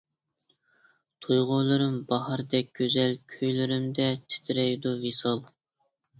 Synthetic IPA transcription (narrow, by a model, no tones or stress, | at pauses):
t̪ʰujʁʊlˠɨɾɨmbɑhɑɾd̪ɛk̚ʲɡ̥ʲøzɛlkʲʰøjlɪɾɪmd̪ɛt̪ʰɪ̥t̪ʰɪɾɛjd̪uvesɑlˠ